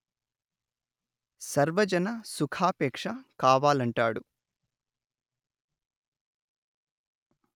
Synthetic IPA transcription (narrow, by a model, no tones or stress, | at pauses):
sɐɾʋɐd͡ʒɐnɐsukʰaːpɛːkʂɐkaːʋaːlɐɳʈaːɽu